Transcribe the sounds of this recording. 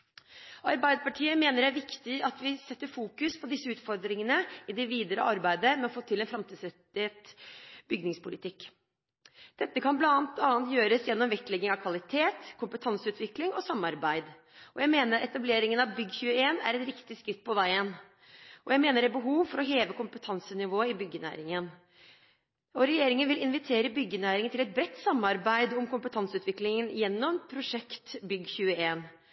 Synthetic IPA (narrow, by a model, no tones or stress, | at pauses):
ɑɾbæɪd̪əpɑʈʰiːəmeːnəɾæɾʋɪkt̪ɪɑt̪ʋɪsɛt̪ːəɾfuːkʉspʰɔd̪ɪsːəʉːt̪fɔɾd̪ɾɪŋənəɪd̪ɛʋiːd̪əɾə̰ɑɾbæɪd̪əmɛɔfoːt̪ʰɪlɛnfɾɑmt̪iːsɛt̪eːt̪bʏɡnɪŋspʊlɪt̪ʰɪkː | d̪̥ɛt̪ːəkʰɑnblɑnɑːnt̪ːɑːnt̪jøːɾəsjɛnːɔmʋɛklɛɡːɪŋɑʋkʰʋɑlɪt̪ʰeːt̪kʰʊmpət̪ʰɑnsəʉːt̪ʋɪklɪŋɔsɑmːɑɾbæɪd̪ | ʔɔjæɪmeːnəɾʔɛt̪ɑbleːɾɪŋənɑʋbʏɡːçʉːəeːnæ̰ɾɛt̪ɾɪkt̪ɪskɾɪt̪̚ːpʰɔʋæɪən | ʔɔjæɪmeːnəɖæbəɦuːʋfɔɾɔɦeːʋəkʊmpət̪ʰɑnsənɪʋoːɪbʏɡːənæ̰ːɾɪŋən | ɔɾɛjeːɾɪŋənʋɪlɪnʋɪt̪ʰeːɾəbʏɡːənæːɾɪŋənɪlɛt̪̚bɾɛt̪ːsɑmːɑɾbæɪd̪ɔmkʊmpət̪ʰɑnsʉːt̪ʋɪklɪŋənjɛnːɔmpʰɾʊʂɛkt̪bʏɡːçʉːəeːn